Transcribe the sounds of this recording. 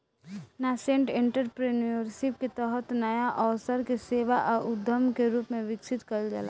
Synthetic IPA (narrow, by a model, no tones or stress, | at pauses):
nasẽɳʈẽɳʈəɾpɾeniəɾʃɪp̚ket̪ɔɦət̪nɐjaʔɔːsəɾkeseːʋaʔɔːʊd̪ʱːəmkeɾuːpmẽʋɪksɪt̪kɐɾld͡ʒa̰la̰